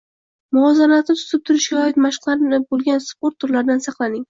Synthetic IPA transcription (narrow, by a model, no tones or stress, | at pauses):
mʊɒzanat̪nɪt̪ʰʊ̥zɪp̚t̪ʰʊɾɪʃɡʲaɒɪt̪maʃqlˠaɾɪbolˠɡʲanspoɾt̪ʰːʊɾlaɾd̪ansɑqlˠanɪŋ